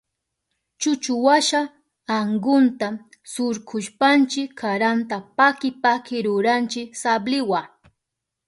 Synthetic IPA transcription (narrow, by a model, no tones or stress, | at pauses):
t͡ʃʊt͡ʃʊwaʃa | aŋɡʊnt̪a | sʊɾkʰʊʃpant͡ʃɪkʰːaɾant̪apakɪpakɪɾʊɾant͡ʃɪksablɪwa